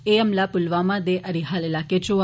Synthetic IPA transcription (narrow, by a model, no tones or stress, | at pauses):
eəmlapʊlʋamãd̪eʔəɾiɦalelaket͡ʃo